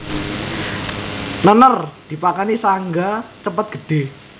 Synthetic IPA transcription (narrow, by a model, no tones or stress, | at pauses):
nənərd̪̥i̤pakanisaŋɡat͡ʃəpət̪̚ɡ̥ə̤ɖ̥e̤